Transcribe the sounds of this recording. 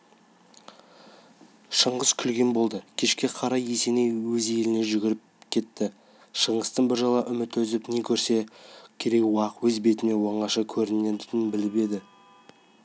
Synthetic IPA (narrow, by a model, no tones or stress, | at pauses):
ʃəɴʁəz̥kʲʰʏlɡʲenbo̞lˠd̪əkʲʰe̞ʃkʲe̞qʰɑɾɑje̞se̞ne̞jwɵzjelɪne̞ʒʏɡʲɪɾɪp̚kʲʰe̞t̪ːɪ | ʃəɴəst̪ənbɪɾʒɑlˠɑʔʏmɪt̪ɵzɪpne̞kʲʰɵɾse̞kʲʰeɾe̞kwɑqwɵzbe̞t̪ɪne̞woɴɑʃɑkʲʰɵɾɪned̪ɪɪnbɪlɪbe̞d̪ɪ